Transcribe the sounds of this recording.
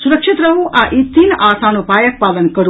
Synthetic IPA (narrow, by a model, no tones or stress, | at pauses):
suɾəkʃit̪ɾəɦũʔaʔit̪ːinʔasanũpajəkpalənkəɾ